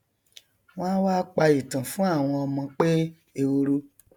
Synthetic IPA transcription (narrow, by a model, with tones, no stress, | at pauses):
w̃ɔ̃˦n˦waː˦k͡pa˧i˨tã˨fũ˦a˦˨w̃ɔ̃˧ɔ˧mɔ̃˧k͡pe˦ | e˧wo˧ɾu˦